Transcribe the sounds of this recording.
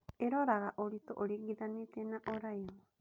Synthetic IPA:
eɾoɾaɣaʔoɾitoʔoɾiɡiðanetenaʔoɾaj

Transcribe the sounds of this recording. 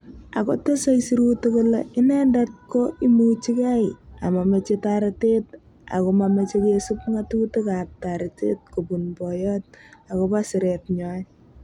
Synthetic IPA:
a̰kotesojsiɾutekuleʔɪnɛndat̚koʔimut͡ʃikaɪa̰mamet͡ʃetaɾetet | a̰komamet͡ʃekesupŋatutekap̚taɾɪtḛt̚kupunbɔjɔt̚akopasɪɾet̚ɲɔ

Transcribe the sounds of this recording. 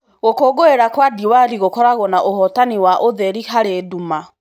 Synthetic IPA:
ɣokoɡoeɾakwadiwaɾiɣokɔɾaɣwɔnaʔoɦɔtaniwaʔoðɛɾiɦaɾeduma

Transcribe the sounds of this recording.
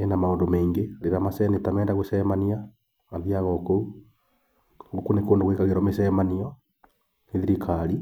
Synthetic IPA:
enamaoːndomeːŋɡeɾeɾamasɛnetamɛːndaɣosɛmania | ŋaðiaɣɔkou | ŋɡokunekoːndoɣwekaɣeɾɔmesɛːmaniɔ | eðiɾikʰaɾi

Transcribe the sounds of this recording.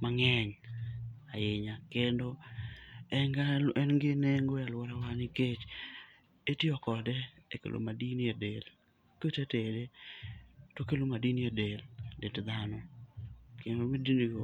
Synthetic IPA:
maŋɛɲ | ajɪɲakendo | ɛŋɡaʔɛnɡɪneŋɡojalwɔɾawanɪket͡ʃ | etɪɔkɔdɛekḛlʔo̰madiniedel | kotetede | tokelomadiniadeldedd̪anɔ | kendomidiniɡ

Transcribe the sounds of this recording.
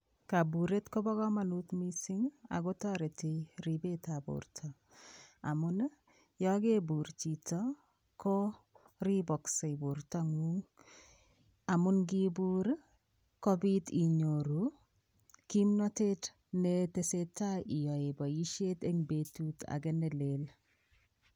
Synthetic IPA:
kabuɾetkɔbɔɡɔmanut̪misiŋa̰ɡɔtɔɾetiɾibetabṵɾtʰɔ | amʊn | jɔɡebuɾt͡ʃitɔ | kɔ | ɾibɔksebuɾtɔŋuŋ | amʊnɡibuɾ | kɔbitiɲoɾu | kimnɔtet | netesetaijɔebɔjiʃeteŋbetuta̰ɡɛnɛlel

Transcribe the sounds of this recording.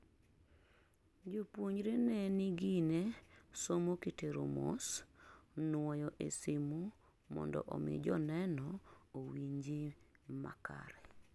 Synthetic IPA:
d͡ʒopwoɲɾenɛnɪɡinesomokiteɾo̰mo̰s | nwɔjɔʔesimu | mɔ̰ndɔ̰ʔɔmɪ̰d͡ʒɔnɛnɔowiɲd͡ʒima̰ka̰ɾɛ

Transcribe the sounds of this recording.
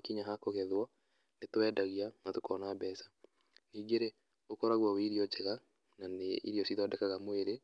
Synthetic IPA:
kiɲaɦakoɣɛðwɔ | netowɛdaɣianatokɔnaːbɛːsḁ | niːɡeɾe | okɔɾaɣwaweiɾiɔd͡ʒɛɣa | naneḭɾiɔsiðwadɛkaɣamoeɾe

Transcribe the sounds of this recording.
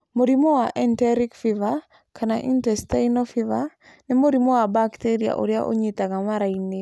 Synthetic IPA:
moɾimowaʔɛntɛɾikfiva | kʰana̰ʔḭntɛstainɔfiva | nɛmoɾimowabakteɾia̰ʔo̰ɾja̰ʔo̰ɲit̪aŋamaɾaine

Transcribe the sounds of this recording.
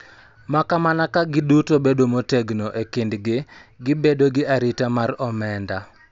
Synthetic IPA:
makamanakaɡɪdutobedomoteɡnoʔekindɡɪɡɪbedoɡɪaɾitamaɾɔmɛnda

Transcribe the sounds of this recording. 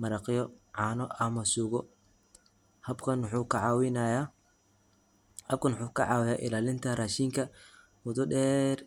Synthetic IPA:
mɐɾɐqjɔʕɑːnɔʔɐmɐsuːɣɔ | hɐbkʰɐnħukʰʕɑwɪnja | hɐb̚kʰɐnʊħuːkʰɐʕɑːwɪjaːʔɪlaːlɪnt̪ʰɐraʃiːŋkʰɐ | wʊðʊɖɛːr

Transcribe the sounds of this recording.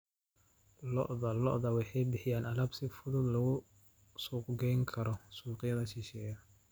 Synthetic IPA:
lɔ̰ʔðɐlɔʔðɐwɑħɑjbɪħɪjaːnɐlɐbsɪfʊðʊd̪lɐɣʊ | suːqɡɛjŋkʰɐɾɔsuːqɪjɐðɐʃɪʃɛːjɐ

